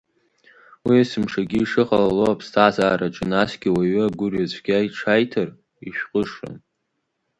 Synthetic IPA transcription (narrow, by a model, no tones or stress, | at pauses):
wiasɨmʂaɡʲiːʂɨχalaloapʰstʰazaːɾaʈ͡ʂʼɨnasɡʲiwaɥaɡʷʊrjazʷʰʼɡʲaiʈ͡ʂʰajtʰar | iʃᶣqʼəʂa̰n